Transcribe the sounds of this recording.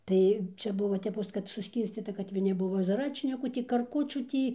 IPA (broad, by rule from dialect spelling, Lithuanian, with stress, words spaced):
ˈtɐɪ ˈt͡ʃʲɛ ˈbʊʋoː tʲɛˈpoːs kɐt sʊˈsʲkʲiːrʲsʲt͡sʲiːtɐ kɐt ʋʲɪˈnʲɪ ˈbʊʋoː zɐˈrɑːt͡ʃʲnʲɪkuː ˈtʲiː kɐrˈkʊt͡ʃʲuː ˈtʲiː